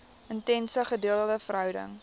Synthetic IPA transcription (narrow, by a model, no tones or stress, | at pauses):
əntɛnsəχədiəlˠələfərɦœwdə̰ŋ